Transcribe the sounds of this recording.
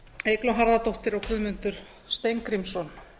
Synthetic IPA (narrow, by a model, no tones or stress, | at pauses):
ejklawɦaɾðat̪owht̪ɪɾɔɣkʰʏðmʏnt̪ʏɾ̥ | st̪ejŋkɾimsɔn